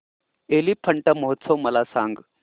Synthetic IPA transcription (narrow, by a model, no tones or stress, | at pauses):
elipʰəɳʈəmɔɦt̪səwməlasã̰ŋɡ